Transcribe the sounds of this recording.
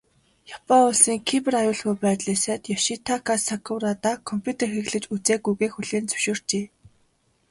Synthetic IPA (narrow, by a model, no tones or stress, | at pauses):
jɔpaʊɮsiːŋkʰipɘ̆rajʊːɮxujpæːt̪ɮeːsaːt̪jaʃit̪ʰakʰasakʰʊwrat̪aːkʰɔmpʲʰut̪ʰerxiɣɮɘ̆t͡ɕut͡seːɡujɣeːxuɮeːnt͡sɵ̥ʃoːr̥t͡ɕeː